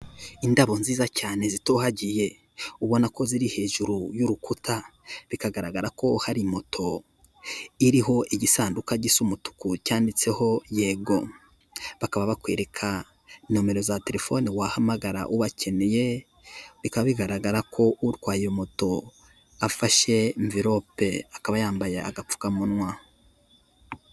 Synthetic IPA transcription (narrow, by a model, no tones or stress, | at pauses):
indaβo̞nziːzacaːne̞zitohaɟije̞ | uβo̞nako̞ziɾihe̞ːʒuɾujuɾukutʰaβikaɡaɾaɡaɾako̞haɾimotʰo̞ | iɾiɦo̞ʔiɟisaːndukaɟisumutu̥kucaːndit͡se̞ho̞je̞ːɡo̞ | βakaβaβakwḛːɾe̞kʰa | nome̞ɾo̞zate̞ɾe̞fo̞niwahamaɡaɾa̰ʔuβacʰe̞neje̞ | βikaβaβiɡaɾaɡaɾakʰo̞ʔuɾɡwaːjomoto̞ | afaʃe̞ɱviɾo̞pe̞akaβajaːmbajea̰ɡap͡fu̥kamunwa